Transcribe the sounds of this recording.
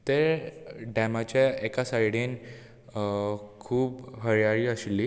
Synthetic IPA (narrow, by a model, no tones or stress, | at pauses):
t̪eɾɖɛmat͡ɕjaekasajɽin | kʰuːbɦəɾjaɭiːəɕilːi